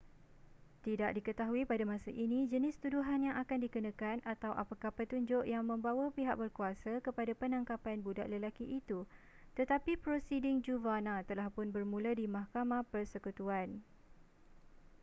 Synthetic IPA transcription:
t̪idaʔ̚dikət̪aɦuipadamãsaʔinĩd͡ʒənɪst̪uduɦanjaŋʔakandikənãkanʔat̪awʔapakahpət̪uɲd͡ʒʊʔjaŋmə̃mbawapiɦaʔ̚bərkuasakəpadapənãŋkapanbuda̰ʔləlakiʔːt̪u | t̪ət̪apipɾosidɪŋd͡ʒuvanat̪əlahpʊnbərmũladimãhkamãpərsəkut̪uan

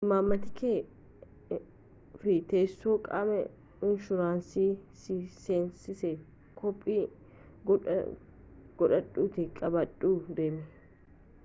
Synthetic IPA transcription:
maːmːɐt̪ɪkeː | fɪt̪eːsːoːkʼa̰ːmɛ̰ | ɪnʃʊɾaːnsiːsiseːnsɪsɛ | kʰɔpʼːiː | ɡ̥ɔᶑɐᶑʼuːt̪ɪkʼɐbɐᶑʼuːd̪e̞ːmɪ

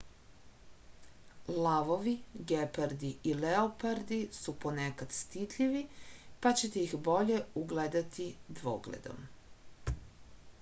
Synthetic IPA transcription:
laʋoʋiɡepaɾd̪iileopaɾd̪isupo̞nekad̪̥st̪it̪ʎiʋipat͡ɕet̪eixbo̞ʎe̞uɡled̪at̪ʰid̪ʋo̰ɡlḛd̪o̞̰m

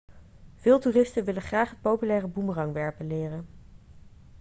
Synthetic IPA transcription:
v̥ɪːlˠtuːrɪstənʋɪləχraːχɦət̚powpylɛːrəbumrɑŋʋɛɹpənlɪːrən

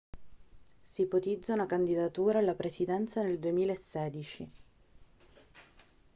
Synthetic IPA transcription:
sipot̪id̪zːaunakand̪id̪at̪uːɾaːlːapɾesid̪ɛnt̪saneld̪uemiːlaesːɛːd̪it͡ʃi

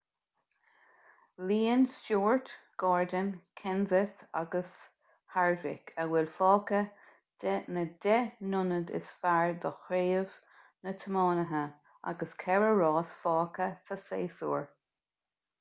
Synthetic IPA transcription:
liːənsoːɹt̪ɡ̥ɑːɹd̪ənkʰɪnzəta̰ɡəs | haɹvɪ̰kʰəwɪlfɑːkə | d̥ɛnəd̪ɛnʊnəd̪ɪ̰sfaɹd̪əxɾeːəv̥ | nət̪ʰəmɑːnəɦə | a̰ɡəskʰɛɹəɹɑːsfɑːkət̪ʰəseːsuːɹ

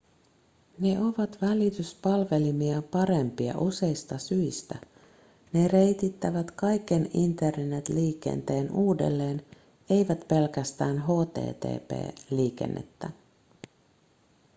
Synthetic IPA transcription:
ne̞o̞ʋɑt̪ʋælit̪yspɑlʋe̞limiɑpɑɾe̞mpiɑ̰ʔuse̞ist̪ɑsyist̪æ | ne̞re̞jt̪it̪ːæʋæt̪kɑjkːe̞nint̪e̞rnːet̪liːkḛnt̪e̞ːnuːdḛlːe̞ːn | e̞jʋæt̪pe̞lkæst̪æːnɦo̞ːt̪e̞̰ːt̪ḛːpḛːliːk̟ḛnːḛt̪ːæ̰

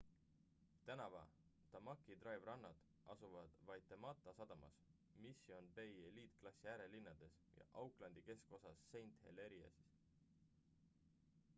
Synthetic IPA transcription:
t̪ænɑvɑ̰t̪ɑmɑkːˑid̪rɑjvrɑnːɑd̪̥ | ɑsuvɑd̪̥vɑjt̪ːˑemɑt̪ːˑɑsɑd̪̥ɑmɑ̰s | misio̞nbe̞jeliːt̪̚klɑsiæːɾe̞linːɑd̪̥e̞s | jɑ̰ʔɑwklɑnd̪̥ike̞sko̞sɑsːe̞jnt̪he̞̰le̞ɾiɑ̰sis

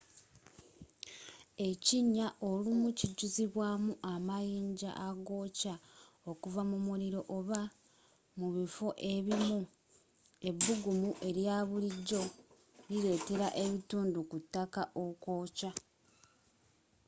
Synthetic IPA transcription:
e̞ciɲːaʔo̞lumuciɟuziβwaːmuʔamajiːɲɟa̰ʔaɡo̞ːca | o̞kuvamumuɾiɾo̞ʔoβa | muβifo̞ʔe̞βimu | e̞βːuɡumuʔe̞ɾjaːβuliɟːo̞ | liɾe̞ːte̞ɾaʔeβituːndukutːakaʔoko̞ːca

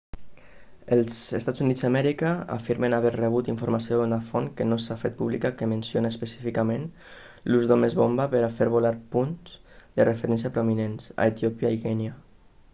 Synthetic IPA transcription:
əlˠzest̪at͡szunizðamɛɾikaa̰fiɾmenaβɛɾreβ̞ut̪iɱfuɾmasiounafonkenosafet̪̚puβlḭkakemensjonaeːspəsi̥fikamen | luzðomezβombapəɾafeɾβolaɾpunz | d̪ərʔefəɾɛns̬japɾominensa̰et̪iopjaikɛnja

